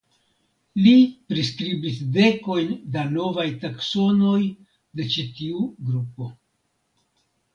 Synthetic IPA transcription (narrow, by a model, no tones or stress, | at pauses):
lipɾis̬kɾibisde̞ko̞jndano̞vajtakso̞no̞j | de̞t͡ʃitiuɡɾupo̞